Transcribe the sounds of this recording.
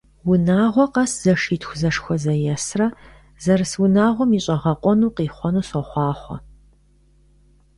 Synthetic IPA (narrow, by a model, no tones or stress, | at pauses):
wʊnaːʁʷɔqɐsz̥ɐʂiːtʰxʷʊzɐʂxʷɔzɐjɛsrɐ | zɐrɨswʊnaːʁʷɔmiːɕʼɐʁɐqʷʼɔnuːqiːχʷɔnuːsɔχʷɑːχʷɔ̰